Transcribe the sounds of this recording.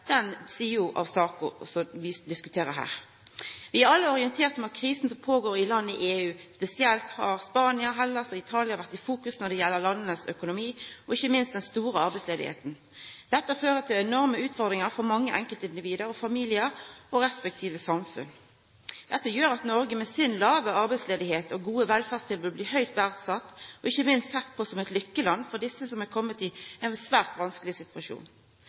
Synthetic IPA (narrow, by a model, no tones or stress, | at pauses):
d̪̥ɛnsiːəjʊʔɑ̰ʋsɑːkə̰sɔʋɪd̪ɪskʉt̪ʰeːɾəɦæ̰ːʁ | ʋɪæɾɑlːəɔɾɪɛnt̪ʰeːʁt̪mɛɑt̪̚kʰɾiːsn̩sɔmpʰoːɡoːɾɪlɑnːəɪʔeːʉːspɛsɪɛlt̪hɑ̰ʁspɑːnɪəɦɛlːəsɔɪt̪ʰɑːlɪɑʋæʁt̪ɪfuːkʉsnɔd̪ɛjɛlːəʁlɑnːənəsœkʊnʊmiːɔɪçːəmɪnst̪d̪ɛnst̪uːɾəɑɾbɛɪsleːd̪ɪ̰hḛːt̪n̩ | d̪̥ɛt̪ːəføːʁət̪ʰɪlɛnɔʁməʉːt̪fɔʁd̪ʁɪŋəʁfɔɾmɑŋːəʔɛŋkəlt̪əɪnd̪ɪʋiːd̪əɾɔfɑmiːlɪəɾɔɾɛspɛk̚t̪ʰiːʋəsɑmfʉ̰n | d̪̥ɛt̪ːəjøːɾɑt̪nɔɾɡəmɛsɪnlɑːʋəɑɾbɛɪsleːd̪ɪheːt̪ɔɡuːəʋɛlfæːʁst̪ʰɪlbʉːd̪̚b̪liːɦœʏt̪bæʁd̪sɑt̪ːɔɪçːəmɪnst̪sɛt̪̚ːpʰɔsɔmɛɪt̪lʏkːəlɑnːfɔʁd̪ɪsːəsɔmækʰɔmːət̪ɪɛnsʋæːʁt̪ʋɑnskəlɪsɪt̪ʰʉɑʃṵːn